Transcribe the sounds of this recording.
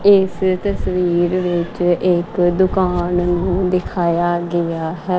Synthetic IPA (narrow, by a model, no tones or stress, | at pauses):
ɪst̪əsʋiːɾʋɪt͡ʃɪkd̪ʊkaːnnũːd̪ɪkʰaːjaːɡɪjaːɦɛː